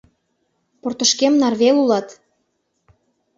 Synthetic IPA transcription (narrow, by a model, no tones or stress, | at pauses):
port̪ə̆ʃkemnɑrβelulɑt̪